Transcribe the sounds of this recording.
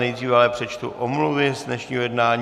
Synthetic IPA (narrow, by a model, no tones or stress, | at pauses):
ɛjd̪riːvɛalɛpr̝̥ɛt͡ʃt̪ṵʔomluvɪzdnɛʃɲiːɦojɛdnaːɲ